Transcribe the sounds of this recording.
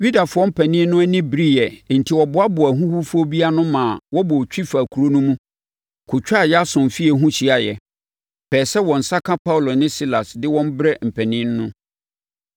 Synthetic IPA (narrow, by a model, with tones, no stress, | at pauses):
ɥi˦da˨fʊ˨ɔ˦m̩˦pʰæ˨nɪ̃˦nː˦ʊ̃˦æ˦nɪ̃˦bɾi˦jɛ˨n̩˨tʰi˨wɔ˨bʊ˨˦a˦bʊ˨æ˨ɦũ˦hu˦fʊ˦o˦bi˦a˦nʊ̃˦mãː˨wɔ˦bɔ˨t͡ɕᶣi˦fa˨kʰu˨ɾo˦nũ˦mũ˦ | kʰʊ˨t͡ɕᶣa˦˨jɛ˦a˦sʊ̃˨m˨fi˦ɛ˨ɦũ˦ɕi˨˦a˨jɛ˨ | pʰɛː˨sɛ˦wɔ̃˨n̩˨sa˦kʰã˦pʰa˦wʊ˨lo˨nɪ̃˦si˦la˨sdɪ˦wɔ̃˦m˦bɾɛ˦m̩˨pʰæ˨nɪ̃˦nː˦ʊ̰̃˦